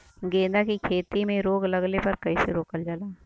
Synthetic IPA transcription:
ɡẽːd̪akikʰeːt̪imẽɾoːɡlɐɡlepɐɾkɐiseɾoːkəld͡ʒaːlaː

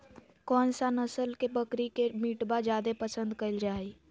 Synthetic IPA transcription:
kɔːnsanəsəlkebəkɾikemiʈbad͡ʒjaːd̪epəsə̃nd̪kəɪld͡ʒaːi

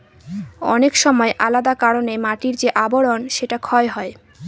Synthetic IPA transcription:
ɔ̰nekʃɔmɔeʔa̰lad̪akaɾonemaʈiɾd͡ʑeʔaboɽonʃeʈakʰɔeɦɔe

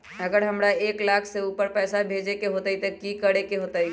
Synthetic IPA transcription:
əɡəɾɦəmɾaeklakʰseupəɾpɛːsabʱed͡ʒekeɦot̪əit̪əkikəɽekeɦot̪əj

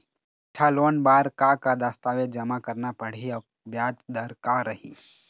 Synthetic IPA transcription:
ɪt͡ʃʰaloːnbaːɾkakad̪aːst̪aːʋed͡ʒɐmakəɾnapəɽ̤iɐ | bjaːd͡ʒd̪əɾkaɾəɦḭː

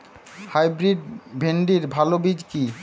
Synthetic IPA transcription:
hajbɾiɖ̚bʱeɳɖiɾbʱalobid͡ʑki

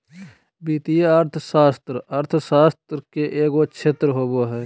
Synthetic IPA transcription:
biːt̪ijeəɾt̪ʰsaːst̪ɾəɾt̪ʰsaːst̪ɾkeʔeːkoːkʃʰeːt̪ɾəɦoːboːɦɛː

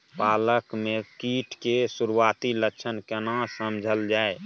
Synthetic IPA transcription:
paːləkmẽkiːʈʰkesuɾuwaːt̪iləːʃʰənkənãsəmd͡ʒʱəld͡ʒaːe

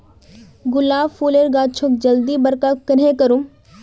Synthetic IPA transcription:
ɡʊlaːʋfuːleɾɡaːt͡ʃʰʊk̚d͡ʒɐld̪iːbɐɾkakəɾɦẽkɐɾũ

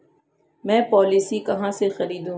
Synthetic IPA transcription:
mɛ̃ːpɔːlisikɐɦãːsexɐɾiːd̪ũː

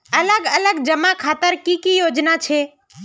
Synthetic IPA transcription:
ələɡələɡd͡ʒəmakʰaːt̪əɾkikijod͡ʒnat͡ʃʰe

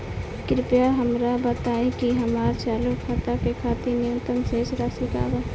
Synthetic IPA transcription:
kɪɾɪpjaɦəmɾabət̪aːẽkiɦəmaːɾt͡ʃaːlukʰːat̪akekʰaːt̪inɪjə̃nt̪əmseːsɾaːsika̰ːba

